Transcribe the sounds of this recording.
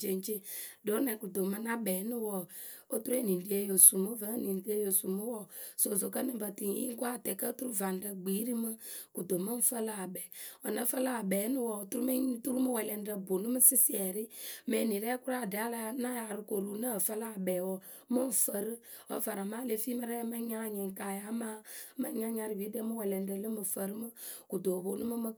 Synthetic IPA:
d͡ʒe˨n˦t͡ʃe˦do˨˦nɛ˨ku˨d̪o˨ma˦na˦bɛː˨˦nu˦wɔ˨ | o˦tu˦ɾu˦ɛ˦˨ni˨n˨di˦e˦jo˨su˨mu˦və˦ni˨n˨di˦e˦jo˨su˨mu˦wɔ˦so˨zo˨kə˦ni˦bə˨ti˨˦ḭ˦ŋ˦kʷa˦˨tɛ˨kə˦tu˦ɾu˦va˨n˨də˨ɡ͡bi˨˦ɾi˦mə˦ku˨do˨mə˦n̩˦fə˦la˦a˨bɛ˨ɔ˨na˦fə˦la˦a˨bɛː˨˦nu˦wɔ˨tu˦ɾu˦me˦tu˦ɾu˦mə˦wɛ˨lɛ˨n˦də˨bo˨nu˦mɨ˦sɪ˦si˦ɛ˨ɾɪ˦mɛ˨ni˨ɾɛ˦ku˦ɾa˦˨dɛ˨a˦la˨˦na˦ja˨ɾi˨ko˨ɾu˨˦nə˦˨fə˦la˨bɛ˨wɔ˨ | mə˦ɱ̩˨fə˨ɾɨ˦ | ɔ̰˨˦va˨ɾa˨maː˦le˨˦fi˦mə˦ɾɛ˦mə˦ɲa˦˨ɲɛ˨ŋ˨ka˨ja˨˦maː˦mə˦ɲa˦ɲa˨ɾi˨vi˨˦də˦mɨ˦wɛ˨lɛ˨n˨də˨lə˦mɨ˨fə˨ɾɨ˦mɨ˦ku˨do˨bo˨nu˦mɨ˦mə˦

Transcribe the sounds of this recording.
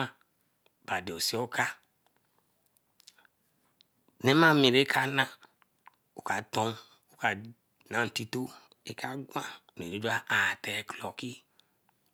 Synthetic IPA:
a˦ | b̥a˨de˨o˨si˦ɔ˦ka˦ | ne˦ma˦mi˨ɾe˦kʰa˦nã˦ | u˨ka˨tɔ˦m | u˨ka˨ | nã˦n̩˨ti˦to˦ | e˦ka˦ɡʷã˦˨n˨e˨o˨˦d͡ʒu˦a˦ʔa˨tɛ˨klɔ˨ki˦

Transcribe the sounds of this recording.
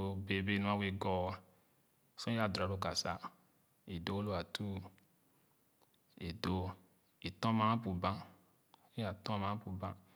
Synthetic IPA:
be˨be˦˨nũ˦a˦we˨ɡɔ˨a˨ | sɔ̃˦i˦a˨dɾa˨ɾo˨ka˨sa̰˨˦ | i˨do˨˦lo˦a˨tʰu˦ | e˨do˦ | i˨tɔ̃˦mã˦pu˨bã˦ | i˦a˨tɔ̃˦mã˦a˦pu˨bã˦

